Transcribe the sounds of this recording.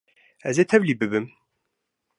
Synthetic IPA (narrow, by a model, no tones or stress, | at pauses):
ɛzeːt̪ʰɛvliːbɨbɨm